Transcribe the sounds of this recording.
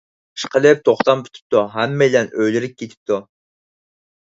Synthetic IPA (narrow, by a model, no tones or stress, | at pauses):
ə̥ʃqʰəlˠɪp̚t̪ʰoχt̪ɑmpʰy̥t̪ʰy̥p̚t̪ʰuɦɛmːɛjlɛnøjlɪɾɪp̚ʲkʲʰet̪ʰɪ̥p̚t̪ʰu